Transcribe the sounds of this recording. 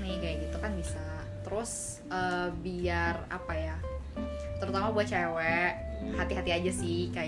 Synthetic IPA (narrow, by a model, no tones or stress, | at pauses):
nɪhkajaɡit̪ukanbisa | t̪əɾʊs | əbiara̰paja | t̪əɾut̪amabuat͡ʃewɛhat̪iɦat̪iad͡ʒasɪhkaj